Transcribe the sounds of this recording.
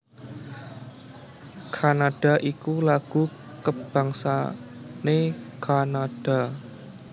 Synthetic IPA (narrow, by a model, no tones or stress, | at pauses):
kʰanaɖ̥a̤ʔikulaɡ̥ṳ | kəb̥a̤ŋsa̰nekanad̥a̤